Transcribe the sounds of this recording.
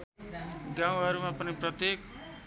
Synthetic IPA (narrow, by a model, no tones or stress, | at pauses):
ɡãw̃ɦʌɾumapʌniprʌt̪jek